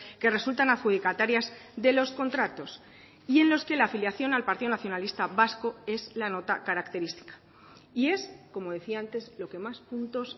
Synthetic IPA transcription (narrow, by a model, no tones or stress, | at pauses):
ke̞re̞sult̪anaðxuð̞ikat̪aɾjazðe̞lo̞sko̞nt̪ɾat̪o̞s | ie̞nlo̞ske̞laːfiljaθjo̞nalpaɾt̪iðo̞naθjo̞nalist̪aβasko̞e̞zlano̞t̪akaɾakt̪e̞ɾist̪i̥kḁ | ie̞sko̞mo̞ðe̞θiaant̪e̞zlo̞ke̞maspunt̪o̞s